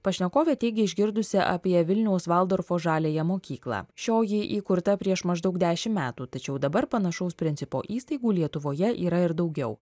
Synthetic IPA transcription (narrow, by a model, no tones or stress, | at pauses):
pɐʃʲnʲɛkoːʋʲɛt̪ʲeːɡʲɪɪʒʲɡʲɪɾd̪ʊsʲɪʔɐ̰pʲiɛʋʲɪlʲnʲɛʊsʋɑːlˠd̪oːɾfoːʒɑːlʲeːjɛmoːkʲiːklˠɑ̰ːʃʲoːjɪʔiːkʊɾt̪ɐpʲɾʲiɛʃmɐʒd̪ɐʊk̚d̪ʲæːʃʲɪmmʲæːt̪uːt̪ɐt͡ʃʲɛʊd̪ɐbɐɾpɐnɐʃɐʊspʲɾʲɪnʲsʲɪpo̰ːʔiːst̪ɐɪɡuːlʲiɛt̪ʊʋoːjɛʔiːɾɐɪɾd̪ɒʊɡʲɛʊ